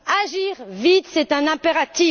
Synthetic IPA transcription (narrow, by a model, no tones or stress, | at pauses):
aʒiʁvit̪sɛt̪ɛ̃nɛ̃peʁat̪i